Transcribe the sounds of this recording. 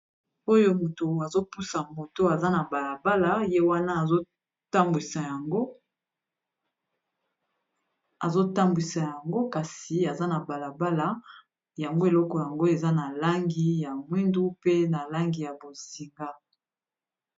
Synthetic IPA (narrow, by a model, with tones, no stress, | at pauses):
o˦jo˦mo˨to˨a˨zo˦pu˦sa˨mo˨to˦a˨za˦na˨ba˨la˨ba˦la˦je˦wa˦na˦˨zo˦ | ta˦mbwi˨sa˨ja˨ŋɡo˦ | a˨zo˦ta˦mbwi˨sa˨ja˨ŋɡo˦ka˨si˨a˨za˦na˨ba˨la˨ba˦la˦ | ja˨ŋɡo˦e˨lɔ˦kɔ˨ja˨ŋɡo˦e˨za˦na˨la˦ŋɡi˦ja˨mwi˦ndu˦pe˦na˨la˦ŋɡi˨ja˨bo˨si˨ŋɡa˦